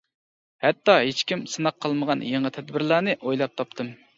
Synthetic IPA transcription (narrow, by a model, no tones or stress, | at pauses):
hɛt̪ːɑɦet͡ʃkʲimsɨnɑqʰːəlˠməʁɑnjeɴət̪ʰɛd̪bɪɾlˠæːnɨʔojlˠɑp̚t̪ʰɑpt̪ʰɨm